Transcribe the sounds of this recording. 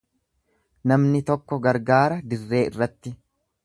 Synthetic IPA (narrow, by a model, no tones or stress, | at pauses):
nɐmnɪt̪ɔkːɔɡɐɾɡaːɾɐd̪ɪrːe̞ːɪ̰rːɐt̪ːɪ